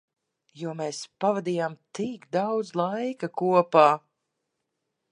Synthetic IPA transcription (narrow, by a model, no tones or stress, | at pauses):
juɔmeːspavad̪ijaːmt̪ikd̪awd̪zlˠajkakuɔpaː